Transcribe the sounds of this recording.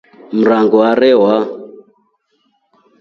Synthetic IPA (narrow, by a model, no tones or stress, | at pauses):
m̩ɾaŋɡɔaɾɛwa